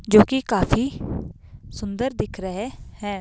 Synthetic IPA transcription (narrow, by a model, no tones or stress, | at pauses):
d͡ʒoːkɪkaːpʰiː | sʊnd̪əɾd̪ɪkʰɾəɦeːhɛː